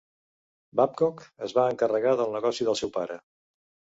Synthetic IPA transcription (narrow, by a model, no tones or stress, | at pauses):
bap̚kɔkəzβaəŋkərəɣaðəlˠnəɣɔsiðəlˠsɛwpaɾə